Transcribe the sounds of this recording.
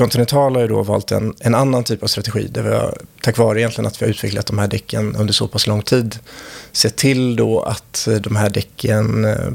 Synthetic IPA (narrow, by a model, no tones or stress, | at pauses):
kʰɔnt̪ɪnɛnt̪ʰɑːlhajəd̪ɔ̰vɑ̰ːlt̪ɛ̰nɛnanːant̪ʰyːpav̥st̪ɾat̪ɛɧḭːd̪ævɑ̰t̪ʰakvɑːɾəɪjɛnt̪lɪɡə̰nat̪vɪhaɾʉ̟ːt̪vɛklat̪̚d̪ɔmhæːɖɛkʰːənɵnd̪əʂsɔpʰaslɔŋːt̪ʰiːd̪seːt̪ʰɪld̪ɔa̰t̪d̪ɔmɦæːɖɛkʰːən